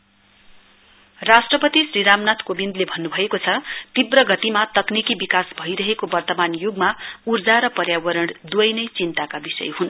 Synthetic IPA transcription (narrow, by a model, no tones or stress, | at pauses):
rasʈrʌpʌt̪isriɾamnat̪ʰkobind̪lebʱʌnːubʱʌekot͡sʰʌt̪ibrʌɡʌt̪imat̪ʌknikibikasbʱʌjɾʌɦekobʌrt̪ʌmanjuɡmaurd͡zaɾʌpʌrjawʌɾʌɽ̃d̪wʌjnʌjt͡sint̪akabisʌ̰jɦun